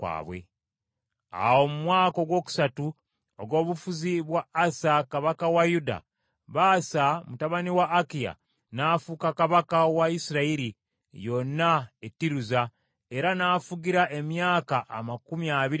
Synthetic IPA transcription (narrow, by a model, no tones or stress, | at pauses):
kwa̰ːβwḛ | a̰wo̞mumwaːko̞ɡwo̞ːku̥satu | oɡo̞ːβufuziβwaːsakaβakawajuda̰ | βasamutaβaniwaːkija̰ | naːfukakaβakawaisiɾaiɾi | jo̞nːaetːiɾuza | e̞ɾanaːfuɡiɾaʔe̞mjaːkaʔːmakumiaβiɾi